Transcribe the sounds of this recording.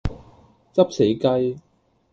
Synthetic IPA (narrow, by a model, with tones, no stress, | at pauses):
t͡sɐ˥p̚se˨˥jkɐ˥j